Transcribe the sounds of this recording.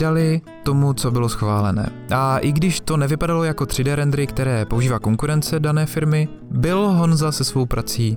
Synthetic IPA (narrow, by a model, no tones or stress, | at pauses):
dalɪ | t̪o̞mut͡so̞bɪlo̞sxvaːlɛ̰nɛ̰ː | ʔaʔɪɡdɪʃt̪o̞nɛvɪpadalo̞jako̞t̪r̝̥ɪdɛːɾɛnd̪ɾɪkt̪ɛɾɛːpo̞uʒiːvaːko̞ŋkuɾɛnt͡sɛdanɛːfɪɾmɪ | bɪlɦo̞nzasɛsvo̞wpɾʔat͡siː